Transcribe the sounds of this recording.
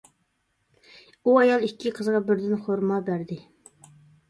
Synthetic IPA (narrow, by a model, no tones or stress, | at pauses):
uɑjɑlˠikʲʰːiqʰəzʁɑbɪɾd̪ɪnχoɾmɑbæɾd̪ɪ